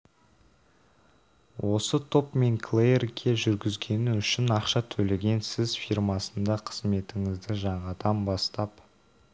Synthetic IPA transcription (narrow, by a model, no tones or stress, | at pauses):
wʔo̞sət̪ʰo̞pme̞ŋkʰlˠejerɡʲʰe̞ʒʏɾɡʲɪzɡʲe̞nɪʏʃɪnɑqʃɑt̪ʰɵle̞ɡʲe̞nsɪzfirmɑsənd̪ɑqʰəzme̞t̪ɪŋɪzd̪ɪʒɑɴʁɑd̪ɑmbɑst̪ɑp